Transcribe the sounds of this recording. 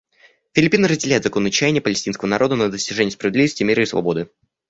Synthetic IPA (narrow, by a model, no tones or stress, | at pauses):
fʲɪlʲɪpʲinəɾəzʲdʲɪlʲæjɪt̪zɐko̞nːɨt͡ɕːæjɪnʲɪjəpəlʲɪsʲtʲinskəvənɐɾʔo̞d̪ənəd̪əsʲtʲɪʐɛnʲɪəspɾəvʲɪd̪lʲivəsʲtʲɪmʲeɾəɪsvɐ̰bo̞d̪ɨ